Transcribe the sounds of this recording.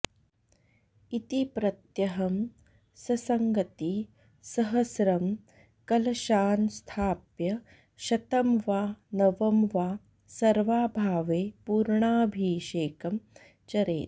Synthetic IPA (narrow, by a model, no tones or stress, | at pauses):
it̪ipɾɐt̪jɐɦɐm | sɐsɐŋɡɐt̪i | sɐɦɐsɾɐm | kɐlɐʃaːnst̪ʰaːpjɐ | ʃɐt̪ɐmʋaːnɐʋɐmʋaː | sɐɾʋaːbʱaːʋeːpuːɾɳaːbʱiːʃeːkɐm | t͡ʃɐɾeːt̪̚